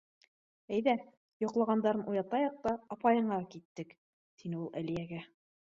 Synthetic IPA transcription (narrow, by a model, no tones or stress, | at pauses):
æjðæ | jŏqlˠɑʁɑnd̪ɑɾɤnujɑt̪ɑjɑq̚t̪ɑɑpɑjɤ̆ɴɑkit̪ːɘk | t̪inɘulˠʔæ̰lijæɡæ